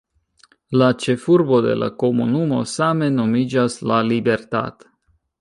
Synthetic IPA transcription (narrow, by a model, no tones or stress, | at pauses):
lat͡ʃe̞fuɾbo̞de̞̰lʔa̰ko̞munumo̞̰same̞no̞mid͡ʒaslalibe̞ɾta̰to̥